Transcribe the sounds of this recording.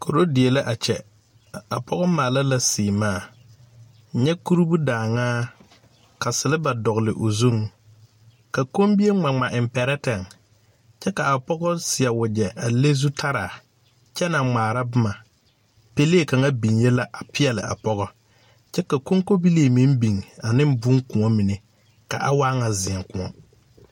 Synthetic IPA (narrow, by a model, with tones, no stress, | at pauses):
kʰo˨ɾo˦dɪ˨e˨la˦ʔa˨t͡ʃɛ̰˨ | a˨pʰɔ˦ɣɔ˦maː˨la˦la˦sɪː˨maː˦˨ | ɲɛ˦ku˦ɾu˦bu˦daː˨ŋaː˦ | ka˨sɪ˨lɪ˦ba˨dɔ˨ɣlɪ˨ʔo˨zu˦ŋ | ka˨ko˦mbi˦e˦ŋ͡ma˨ŋ͡ma˨ʔɪ˨mpɛ˨ɾɛ˦tɛ˨ŋ | t͡ʃɛ˦ka˨a˨pɔ˦ɡɔ˦sɪ˨a˨wʊ˨d͡ʒɛ˨ʔa˨le˦zu˦tʰa˦ɾaː˨ | t͡ʃɛ˦na˨ŋ͡maː˨ɾa˦bʊ˦ma˨ | pe˦le˦e˦˨ka˨ŋa˦bi˨nje˦la˦ʔa˨pʰɪ˦ɛ˨lɪ̰˨ʔa̰˨pɔ˦ɣɔ˦ | t͡ʃɛ˦ka˨ko˦ŋko˦bi˦leː˨mi˦m˦bi˨ŋa˨nɪ˦m˦bʊ˦ŋkʊ˨ŋɔ˦mɪ˨ne˨ | ka̰˨ʔa˦waː˦ŋa˨zɪ˨ɛ˨ŋkʊ˨ŋɔ˦